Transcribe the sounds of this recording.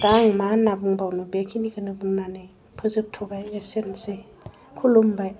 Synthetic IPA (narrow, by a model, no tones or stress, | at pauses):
daŋmanabuŋbawnɯbekʰiniɡʰɯnɯbuŋnanɯj | pʰɯzɯp̚tʰɔɡajesense | kʰulumbaj